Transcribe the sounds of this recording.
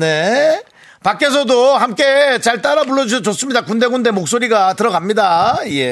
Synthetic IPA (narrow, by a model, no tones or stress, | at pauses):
ne̞ | pak͈e̞s̬ʰʌdohamk͈e̞t͡ɕaɭt͈aɾaboɭːʌd͡ʑuɕʰʌt͡ɕos͈ɯmɲidakundeɡunde̞mok̚s͈oɾiɡatɯɾʌɡamɲidaije̞